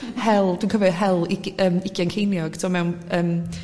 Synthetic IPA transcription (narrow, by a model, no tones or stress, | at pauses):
hɛlˠd̥̪unkʰəvɛɦɛlˠɪkəmɪkʰiɛnkʰejnjɔɡ̥tʰɔmɛwnəːm